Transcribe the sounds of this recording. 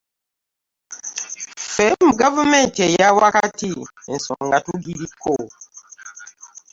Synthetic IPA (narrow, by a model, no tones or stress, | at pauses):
fɛmuɡavumẽntejawakatien̩sɔŋɡatuɡiɾikʰːo